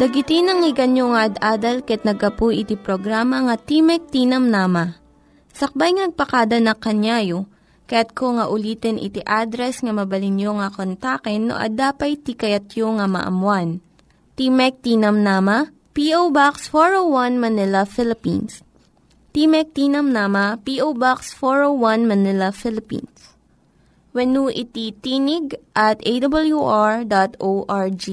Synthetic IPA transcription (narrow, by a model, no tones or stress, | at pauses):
d̪ɐɡɪt̪ɪnɐŋɪɡɐnjoŋɐʔɐd̪aːd̪ɐlkɐɐt̪nɐɡ̚ɐpujʔɪt̪ipɾoɡɾaːmɐŋɐt̪imɛk̚t̪inɐmnaːmɐ | sɐk̚bajŋɐnɐɡ̚pɐkaːd̪ɐnɐkɐnjaːjo | kɐjat̪̚kʰoŋɐʔʊliːt̪ɛnʔɪ̰t̪iʔad̪ɾɛsŋɐmɐbɐlɪnjoŋɐkont̪akɛnːo̰ʔɐ̰d̪aːpɐjt̪ikɐjɐt̪joŋɐmɐ̰ʔɐ̰mwan | t̪imɛk̚t̪inɐmnaːmɐ | piʔowbaksfoɹowwɐnmɐnɪlɐfɪlɪpḭns | p̪imɛk̚t̪inɐmnaːmɐpiʔowbaksfoɹowɐnmɐnɪlɐfɪlɪpḭns | wɛnuʔɪt̪it̪iːnɪɡ̚ʔɐt̪ʔejd̪ɐbljuʔaɹd̪at̪oʔaɹd͡ʒi